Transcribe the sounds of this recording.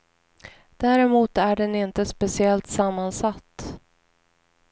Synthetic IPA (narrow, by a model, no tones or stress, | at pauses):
d̪̥æːɾɛmuːt̪æɖɛnɪnt̪əspɛsɪɛlt̪samːansat̪ː